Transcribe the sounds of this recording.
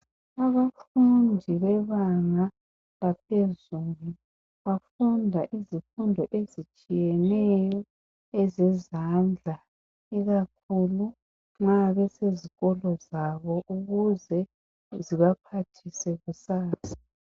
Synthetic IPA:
aβafundʱiβɛβaŋa | ɣapʰezuːlu | βafundʱaʔizifundʱɔʔezit͡ʃʼijɛnɛjɔ | ɛzɛzand͡ɮʱa | iɣak̚ʰulu | ŋ͡ǁaβɛseziɣɔlɔzaβɔʔuɣuzɛ | ziβapʰatʰisɛɣusaːsḁ

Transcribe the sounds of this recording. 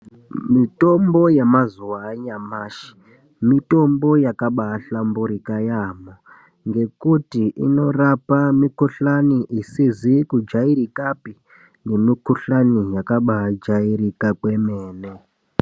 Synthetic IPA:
mito̞mbo̞jemazuwaɲamaːʃi̥ | mito̞mbo̞jakaɓaːɬambuɾikajamo | ŋɡe̞kutiʔḭno̞rapamikuɬaniʔisizikud͡ʒaiɾikapi | ŋɡemikuɬanijakaɓaɦd͡ʒaiɾikakwe̞meːne

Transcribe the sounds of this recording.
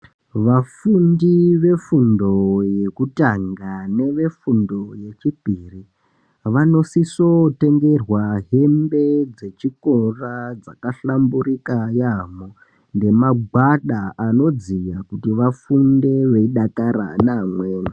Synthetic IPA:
ʋafundiʋe̞fundo̞je̞kutaŋɡane̞ʋe̞fundo̞je̞t͡ʃipiri | ʋano̞sisote̞ŋɡe̞rwaɦe̞mbe̞d͡ze̞t͡ʃiko̞rad͡zakaɬamburikajamo | nde̞maɡʱwaɗaano̞d͡zijakutiʋafunde̞ʋeiɗakaɾa̰namweːna

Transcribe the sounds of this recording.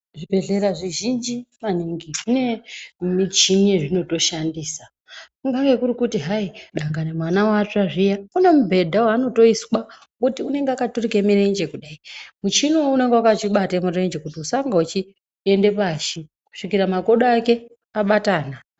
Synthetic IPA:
ʐibʱe̞ɮe̞ɾaʐiʒind͡ʒimaniŋɡiune̞mit͡ʃiɲeʐino̞to̞ʃandiːsa | kuŋɡaŋɡekuɾikutiɦaiɗaŋɡanemwanawat͡ʂaʐijakunemubʱe̞dʱawano̞to̞iswa | kutiune̞ŋɡeakaturikemirend͡ʒe̞kuɗaimut͡ʃinoune̞ŋɡewakat͡ʃiɓatemure̞nd͡ʒe̞kutiusaŋɡaut͡ʃi | ende̞paʃi | ku̥ʂikiɾamako̞ɗaake̞ | aɓataːna

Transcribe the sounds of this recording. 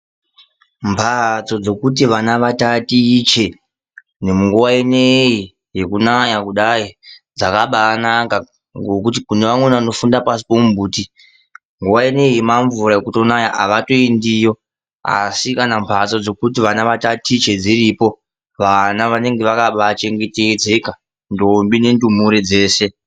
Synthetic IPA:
mpʰat͡sod͡zo̞kut̬iʋanaʋatatit͡ʃe̞ | nemuŋɡuwaenei | je̞kunajakuɗaid͡zakaɓanaka | ɡokut̬ikuneʋaŋwenaano̞fundapasi̥pomumbuːti | ŋɡuwaene̞jemaɱvuɾaekuto̞najaʔa̰ʋato̞endijo̞ | a̰sikanampʰasod͡zo̞kutiʋanaʋatatʰit͡ʃe̞d͡ziɾipo̞ | ʋanaʋane̞ŋɡe̞ʋakaɓat͡ʃe̞ŋɡe̞ted͡ze̞ka | ndombine̞ndum̤uɾed͡ze̞ːse̞

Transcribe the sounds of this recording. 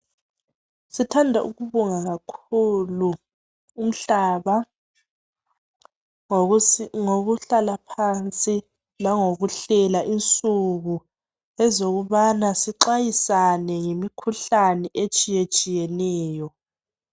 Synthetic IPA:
sitʰandʱaʔṵɣuβuŋaɣakʰuluː | m̩ɬaːβa | ŋoɣuɬalapʰant͡sʼi | laŋoɣuɬɛlaʔint͡sʼuɣu | ɛzoɣuβanasiǃajisanɛŋemikʰuɬanɛʔet͡ʃʼijet͡ʃʼijɛnɛːjɔ

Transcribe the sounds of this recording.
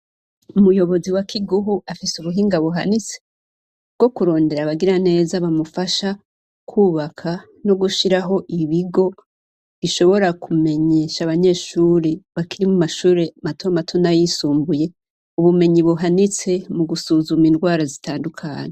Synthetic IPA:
umujo̞βo̞ziwakʰiɡuɦuafisuβuɦiːŋɡaβuɦanit͡se̥ | ɡ̥o̞kuɾo̞ːnde̞ɾaβaɡiɾane̞ːzaβamufaʃa | kʰuːβakʰa | no̞ɡuʃiɾaɦo̞ʔiβiɡo̞ | iʃo̞βo̞ɾakume̞ɲe̞ːʃaβaɲe̞ːʃuːɾiβakiɾimumaʃuːɾematʰomatʰo̞najisuːmbuje̞ | uβume̞ɲiβuɦanit͡se̞muɡusuːzumindɡwaːɾazitʰaːndukʰa̰ːɲe

